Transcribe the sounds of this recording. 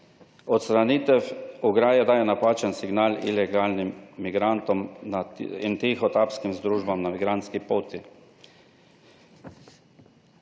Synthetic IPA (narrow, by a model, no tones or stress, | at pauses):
ɔt̪st̪ɾanit̪ɛfuɡɾaːjɛd̪aːjɛnapaːt͡ʃənsiɡnaːlḭlɛɡaːlnimːiɡɾant̪ɔm | ḭnt̪exɔt̪apskimzd̪ɾuːʒbamnamiɡɾant̪skipoːt̪i